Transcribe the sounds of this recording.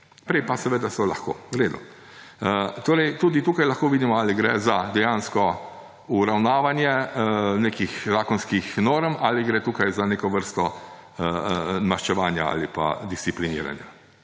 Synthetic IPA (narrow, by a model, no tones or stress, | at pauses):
pɾɛjpasɛʋeːd̪asɔlaxko̰ːɾeːd̪ṵ | ət̪oːɾɛjt̪ud̪it̪uːkajlaxkoːʋiːd̪imɔaliɡɾɛ̰zad̪ɛjaːnskɔ | uɾawnaːʋanjɛneːkixzaːkɔnskixnoːɾmaliɡɾɛt̪uːkajzaneːkɔʋəɾst̪ɔ | əmaʃt͡ʃɛʋaːnja̰a̰lipa̰d̪ist̪siplinḭːɾa̰nja